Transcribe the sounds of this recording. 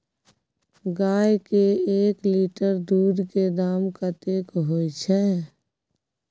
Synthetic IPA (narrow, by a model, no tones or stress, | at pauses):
ɡaːjkeeːkliːʈəɾd̪uːd̪ked̪aːmkat̪eːkɦoit͡ʃʰɛ